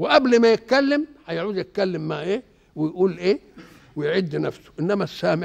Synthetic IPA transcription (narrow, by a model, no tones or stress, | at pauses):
wɪʔæblmæjɪt̪̚kælːɪmhæjʕuːd̪jɪt̪̚kælːɪmːaʕʔeː | wɪjʔuːlʔeː | wɪjʕid̪ːnæfsʊ̥ʔɪnːæmæsːaːmɪ